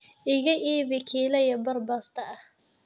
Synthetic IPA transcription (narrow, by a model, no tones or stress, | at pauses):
ʔɪɣɐʔiːβɪkʰiːlɐjɐbɐrbaːst̪ʰɐɐh